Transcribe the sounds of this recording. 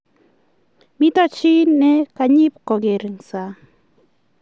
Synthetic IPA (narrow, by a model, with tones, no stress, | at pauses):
mɪ˦t̪ɔ˦t͡ʃi˦nɛ˦ka˨ɲi˦pkɔ˨ɡe˨ɾŋsa˨